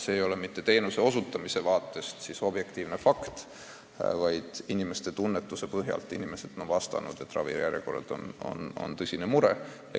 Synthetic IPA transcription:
seːjo̞lemit̪ːe̞t̪e̞ːnuse̞o̞sut̪ːˑɑmise̞vɑːt̪ːˑe̞st̪siso̞bje̞kt̪iːvne̞fɑkt̪ | vɑjd̪̥inime̞st̪e̞t̪unːe̞t̪ːˑuse̞pɤɦjɑ̰lt̪ːˑinime̞se̞d̪̥o̞nvɑst̪ɑ̰nṵd̪̥e̞t̪ːˑrɑ̰vḭjæɾʲjḛko̞rɑd̪̥o̞̰no̞̰no̞̰nt̪ɤsʲinemuɾḛ

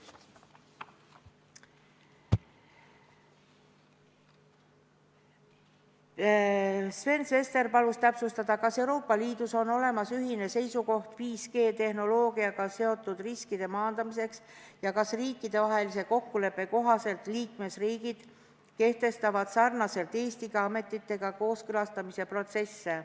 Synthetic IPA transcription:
sve̞nsve̞st̪e̞rpɑlust̪æpsust̪ɑd̪̥ɑkɑse̞uɾoːpːˑɑliːd̪̥uso̞no̞le̞mɑsyɦine̞se̞jsuko̞ht̪viːske̞ːt̪e̞hno̞lo̞ːɡ̥iɑɡ̥ɑse̞o̞t̪ˑːud̪̥riskid̪̥e̞mɑːnd̪̥ɑmise̞ksjɑkɑsriːkːˑid̪̥e̞vɑɦe̞lise̞ko̞kːule̞pːe̞ko̞ɦɑse̞lt̪liːkme̞sriːɡid̪̥ | ke̞ht̪e̞st̪ɑvɑd̪̥sɑrnɑse̞lt̪e̞ːst̪iɡ̥ɑɑme̞t̪ːˑit̪ːe̞ɡ̥ɑko̞ːskɤlɑst̪ɑmise̞pro̞t̪se̞sːe̞

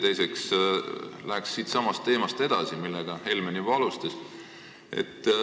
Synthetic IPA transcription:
t̪e̞jseks | læksːiːt̪sɑmɑst̪ːe̞ːmɑst̪e̞d̪̥ɑsimilːɛɡ̥ɑhe̞lmenivɑlust̪ɑs | ḛt̪ː

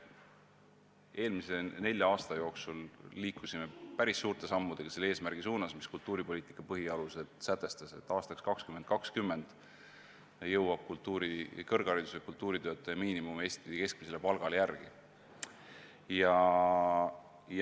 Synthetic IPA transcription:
e̞ːlmise̞ne̞lʲjɑɑːst̪ɑjo̞ːksulːiːkusime̞pæɾisːuːrt̪e̞sɑmːud̪̥e̞ɡ̥ɑse̞lːe̞ːsmæɾɡ̥isuːnɑsmiskult̪ːˑuːɾipo̞lʲiːt̪ˑi̥kːˑɑpɤɦiɑluse̞d̪̥sæt̪ːˑe̞st̪ɑse̞̰t̪ːˑɑːst̪ɑkskɑkskyment̪̚kɑkskymːe̞nd̪̥ | jɤwɑb̥̚kult̪ˑːuːɾikɤrɡ̥ɑɾid̪u̥sekult̪ːuːɾit̪ø̞ːt̪ːˑɑjɑmiːnimumeːst̪iike̞sk̚mis̬e̞le̞pɑlɡ̥ɑlejærɡ̥i | jɑ | j

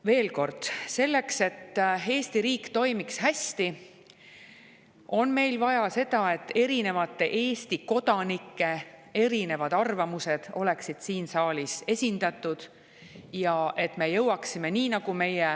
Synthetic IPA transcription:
ve̞ːlko̞rd̪̥se̞lːe̞kse̞t̪ːe̞ːst̪iɾiːkt̪o̞jmikshæsʲt̪i | o̞nme̞jlvɑjɑse̞d̪̥ɑe̞t̪ːe̞ɾine̞vɑt̪ːe̞ʔe̞ːst̪iko̞d̪̥ɑnikːe̞e̞ɾine̞vɑd̪̥ɑrvɑmuse̞d̪̥o̞̰le̞ksid̪̥siːnsɑːlise̞sʲind̪ɑt̪ːˑud̪̥ | jɑʔe̞t̪ːˑme̞jɤwɑksime̞niːnɑɡ̥ume̞je

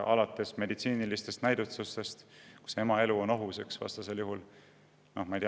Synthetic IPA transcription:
ɑ̰lɑt̪ːˑe̞sme̞d̪it̪siːnilist̪e̞st̪næjd̪̥ut̪sust̪e̞st̪ku̥se̞mɑe̞luo̞no̞ɦuse̞ksvɑ̰st̪ɑse̞ljuɦul | no̞hmɑijt̪i

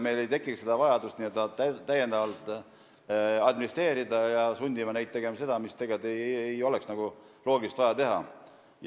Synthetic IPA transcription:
me̞jle̞jt̪e̞kːˑikse̞d̪̥ɑvɑjɑd̪ust̪niet̪ːɑt̪ːæt̪ːæjend̪ɑvɑlt̪ˑ | ɑd̪minist̪re̞ːɾid̪ɑjɑsunʲd̪imɑnejt̪̚t̪ːe̞ɡ̥e̞mɑse̞d̪̥ɑmist̪e̞ɡet̪ejejo̞leksnɑɡ̥u | lo̞ːɡilist̪vɑjɑt̪e̞ɦɑ̰

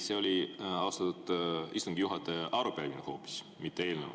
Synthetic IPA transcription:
se̞o̞lʲiɑwst̪ɑt̪ːud̪̥ist̪uŋɡ̥ijuɦɑt̪e̞ʔɑɾupælvineho̞ːpːˑi̥s | mit̪ːe̞eːlnev̰

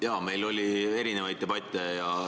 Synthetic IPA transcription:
jɑːme̞jlo̞lʲie̞ɾine̞vɑjd̪̚e̞b̥ɑt̪ʲːˑejɑ

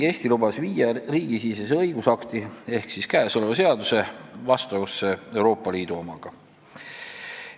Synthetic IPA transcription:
e̞ːst̪ilubɑsviːjɑriːɡ̥isiːses̬eɤ̞jɡ̥usɑkt̪ie̞hksiskæːso̞le̞vɑse̞ɑd̪use̞vɑst̪ɑvɑsee̞uwɾo̞ːpːˑɑliːd̪uo̞mɑɡ̥ɑ

